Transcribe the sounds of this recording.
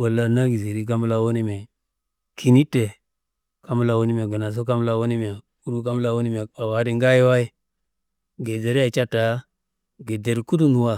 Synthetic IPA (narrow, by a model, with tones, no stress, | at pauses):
wa˨la˨na˦ɡi˨zi˨ɾi˦k̬a˦mu˦la˨wo˦ni˦me˨ | kʰi˨ni˦te˨ | ka˦mu˦la˨wo˦ni˦m˨e˨ɡə˨na˨s̬o˦ka˦mu˦la˦wo˦ni˦m˨a˨ | u˦ɾu˦ka˦m˦la˦wo˦ni˦m˨e˨a˨wa˨˦di˦ŋɡa˦ji˦wa˦i˦ | ɡe˨ze˨ɾa˦˨t͡ʃa˦ta˨ | ɡe˨de˨ɾku˦du˦nu˨wa˦